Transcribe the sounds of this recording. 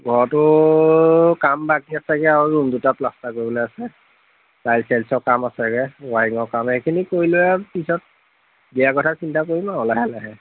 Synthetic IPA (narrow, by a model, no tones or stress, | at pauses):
ɡʱɔɹɔtʊ | kambakiasɛɡɛaɹuɹumdutaplastakoɹibolejasɛ | tajlsɛlsɔkamasɛɡɛwaiŋɔkamekʰinikoɹilʊɛpisɔt̚ | bijakɔtʰasintakoɹimaɔlajalɛɦɛ